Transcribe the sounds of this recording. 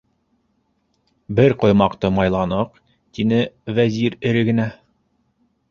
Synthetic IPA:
bɘɾqŏjmɑqt̪ɤmɑjlˠɑnɤq | t̪inɘvæziɾɘ̆ɾɘ̆ɡɘ̆næ

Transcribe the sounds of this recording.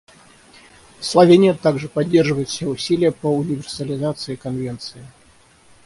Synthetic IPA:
slˠɐvʲenʲɪjət̪aɡʐɨpɐdʲːerʐɨvəjɪt̪sʲeʊsʲilʲɪjəpəʊnʲɪvʲɪrsəlʲɪzat̪sɨɪkɐnvʲent̪sɨɪ

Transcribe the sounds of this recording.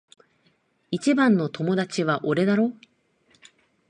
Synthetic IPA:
it͡ɕibãnːo̞t̪o̞mo̞d̪at͡ɕiβaʔoɾe̞d̪aɾo̞ː

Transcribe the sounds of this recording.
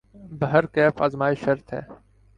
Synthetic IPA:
bəɦəɾkɛːfa̰ːzmaːɪʃəɾt̪ʰɦɛ̰ː

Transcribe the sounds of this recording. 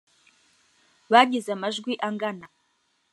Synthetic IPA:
βaɡʲɪzamaʒɡʷiʔaŋɡana

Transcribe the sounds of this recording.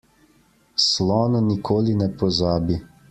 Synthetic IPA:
slɔːnɔnikʰoːlinɛpɔzaːbi

